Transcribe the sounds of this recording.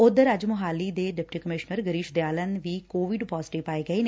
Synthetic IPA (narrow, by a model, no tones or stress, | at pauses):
ʊd̪əɾəd͡ʒmʊɦaːliːd̪eːɖɪp̚ʈiːkəmɪʃnəɾɡəɾiːʃd̪jaːlənʋiːkoːʋɪɖpɔːzɪʈɪʋpaːiːɡəeːne